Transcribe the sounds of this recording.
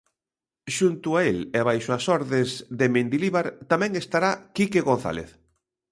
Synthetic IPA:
ʃunt̪ʊaeleβajʃʊasɔɾðezðemẽnd̪iliβaɾt̪amɛ̃ŋest̪aɾakikeɣonθa̰lḛθ

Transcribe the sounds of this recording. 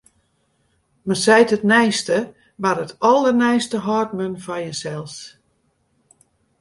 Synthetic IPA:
mənsɛjtətnɛjstə | maɾətɔlˠərnɛjstəɦɔtmənfajəsɛlˠs

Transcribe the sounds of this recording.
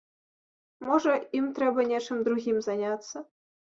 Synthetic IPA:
moʐə̆imt̪rʲebɐnʲeʂɘ̆mʲd̪ɾuɣʲimzɑnʲɑt̪sə

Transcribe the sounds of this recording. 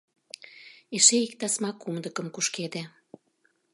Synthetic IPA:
eʃeik̚t̪ɑsmɑkːumd̪əkə̆mkuʃked̪e

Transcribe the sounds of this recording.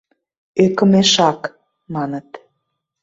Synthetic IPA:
ekə̆meʃɑk | mɑnət̪

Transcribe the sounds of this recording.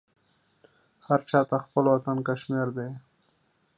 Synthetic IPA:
haɾt͡ʃɑt̪axpəlwat̪ankaʃmeɾd̪e

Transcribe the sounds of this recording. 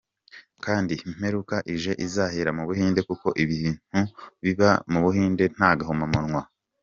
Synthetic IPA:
kaːndim̥e̞ɾukaʔiʒe̞ʔizaheɾamuβuhiːnde̞kuko̞ʔiβiːn̥uβiβamuβuhiːnde̞n̥haːɡahumamuɾŋwa

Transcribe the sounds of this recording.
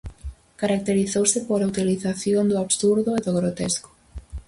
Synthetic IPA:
kaɾak̚t̪eɾiθowsɪpoɾaut̪iliθaθjond̪ʊaβsuɾðʊeðoɣɾot̪esko̥

